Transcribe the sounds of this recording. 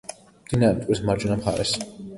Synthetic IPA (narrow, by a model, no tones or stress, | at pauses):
md̪̥inaɾɛmt̪ʼismaɾd͡ʒɔnamχa̰ɾɛ̰s